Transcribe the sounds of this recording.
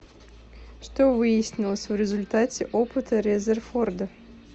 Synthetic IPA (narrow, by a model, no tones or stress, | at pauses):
ʂt̪ovɨjɪsʲnʲɪlˠəsʲvɾʲɪzʊlʲt̪atʲɪʔopɨt̪ʰəɾʲɛzʲɛrford̪ə